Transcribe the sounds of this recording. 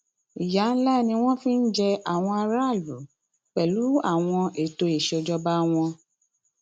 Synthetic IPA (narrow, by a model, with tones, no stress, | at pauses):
i˨ja˨˦n̩˦la˦˨nĩ˧w̃ɔ̃˦fĩ˦n̩˦d͡ʒɛ˧a˨w̃ɔ̃˧a˧ɾa˦˨lu˨˦ | k͡pɛ˨lu˨˦a˦˨w̃ɔ̃˧ʔe˨to˧e˨ʃɔ˧d͡ʒɔ˦ba˦w̃ɔ̃˧